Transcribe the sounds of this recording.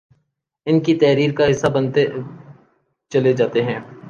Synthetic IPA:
ɪnkit̪ɛɦɾiːɾkaɦɪsːabɐnt̪e | t͡ʃɐled͡ʒaːt̪eɦɛ̃ː

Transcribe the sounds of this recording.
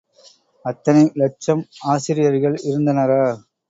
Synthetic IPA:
ɐt̪ːɐnɐlɛt͡ʃːɐmaːsɪɾɪjɐɾɣɐɭɪɾɯnd̪ɐnɐɾaː

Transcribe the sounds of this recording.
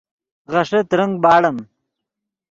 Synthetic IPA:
ʁɐʂet̪ɾɐŋɡ̚bɑːɽɐm

